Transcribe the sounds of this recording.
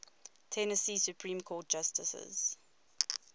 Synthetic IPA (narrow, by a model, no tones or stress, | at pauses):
tʰɛnəsiːsjupʰɹĩːmkʰɔːt̚d͡ʒ̥astəsə̰z̥